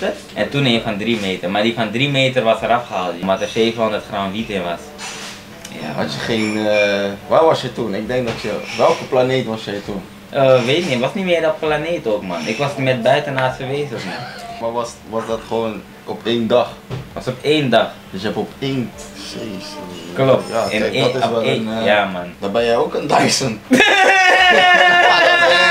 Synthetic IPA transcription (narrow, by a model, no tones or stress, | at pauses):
tə | ʔɛntuneːnfɑndrimeːtərmaːdifɑndrimeːtərʋɑsəɾɑfχəɦaːlˠtjəmʋatəfeːfəɦondərtχranʋitɪnʋɑs | ja̰ɦa̰tjəχeːnəʋaːʋɑsjɛtunɪɡ̚dɛŋk̚dɔtjəʋɛlˠkəplaneːtʋɑsjɛjtun | ʔəʋeːtɪkniʋɑsnimɪːɹdɔt̚planeːtoːkmɑnɪkʋɑsmɛt̚bœɥtənaːtfəʋeːzəɔfnimaʋɑsʋɑsdɔtχəʋoːn | ɔpeːndɑχʋɑsɔpeːndɑχdəsjɛpɔpenseskloptjadtɪnjaːmandabɛjɛjoːkəndajsən | a